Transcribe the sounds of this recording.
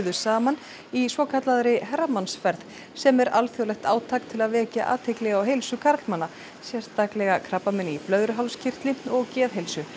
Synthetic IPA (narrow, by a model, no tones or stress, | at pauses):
ðʏsaːman | isvɔːkʰat̪laðɾɪɦɛrːamansfɛɾð | sɛmɛɾalθjowlɛxt̪aːwt̪ʰaːkt̪ʰɪlaðvɛːcaʔaːt̪ʰejklɛɣawɦejlsʏkʰaɾt̪manːa | sjɛɾ̥t̪aklɛɣakʰɾapːamɛnɪiplœðɾʏɦawlscʰɪr̥t̪lɪɔɣcɛːðɦejlsʏ